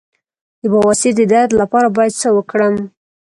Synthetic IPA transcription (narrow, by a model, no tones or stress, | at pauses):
d̪əbɑwasid̪əd̪ɑjat̪̬lapɑɾabɑjad̪̚t͡səwəkɽəm